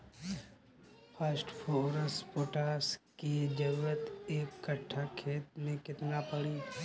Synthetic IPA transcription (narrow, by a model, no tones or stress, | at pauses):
pʰəsʈpʰoːɾəspoːʈaːskid͡ʒəɾuɾət̪eːkːəʈʰːakʰeːt̪mẽkɪt̪napəɽiː